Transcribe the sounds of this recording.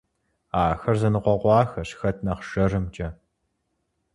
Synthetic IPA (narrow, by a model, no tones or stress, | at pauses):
aːxɐrzɐnɨqʷɔʁʷɑːxɐɕxɐtʰnɐqʃɐrɨmd͡ʒʼɐ